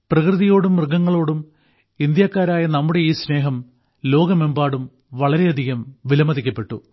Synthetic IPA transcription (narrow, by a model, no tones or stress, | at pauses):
prɐkrɨðijo̞ːɽumrɡːɐŋːɐɭo̞ːɽum | ind̪jaːkːaːɾaːjɐnɐmːuɽe̞iːsne̞ːɦɐm | lo̞ːɡɐmembaːɽum | ʋɐɭɐɾe̞ɐd̪ʱiɣɐmʋilɐmɐðikʲːɐpːe̞ʈːṵ